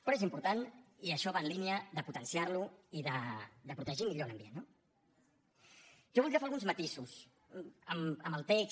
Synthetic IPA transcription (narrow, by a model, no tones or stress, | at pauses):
pɾɔezimpuɾt̪aniəʃɔβaːnliniəðəput̪ənsiaɾluiðəd̪əpɾut̪əʒimiʎoləmbjenːo | ʒ̥ɔβuld̪ɾiəfealˠɣunzmət̪isus | əməməlˠt̪eks